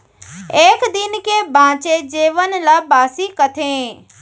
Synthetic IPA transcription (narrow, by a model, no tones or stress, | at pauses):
eːkd̪ɪnkebʱãːt͡ʃed͡ʑeːʋənɪlabaːsikət̪ʰẽː